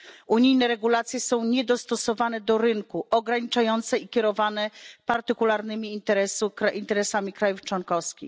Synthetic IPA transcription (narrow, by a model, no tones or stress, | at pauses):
uɲijnɛɾɛɡulat̪sʲjɛsɔ̃w̃ɲɛd̪ɔst̪ɔsɔvanɛd̪ɔɾɘŋkuʔɔɡɾaɲit͡ʂajɔnt̪sɛikʲɛɾɔvanɛpaɾt̪ɘkulaɾnɘmʲiːnt̪ɛɾɛsuaʔint̪ɛɾɛsamʲikɾajuft͡ʂwɔnkɔfskʲḭx